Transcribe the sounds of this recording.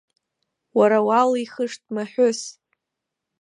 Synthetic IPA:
waɾawaliχəʂtʼmaħʊs

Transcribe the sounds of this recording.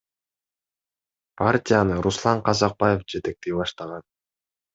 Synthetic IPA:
pʰartʲijanɯɾuslˠɑɴqɑzɑq̚bɑje̞fd͡ʒe̞t̪e̞k̚t̪ejbɑʃt̪ɑʁɑn

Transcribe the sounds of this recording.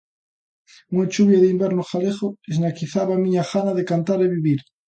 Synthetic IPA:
uŋat͡ʃuβjaðimbeɾnoxaleχoeznakiθaβamiɲaxanaðekant̪aɾeβiβiɾ

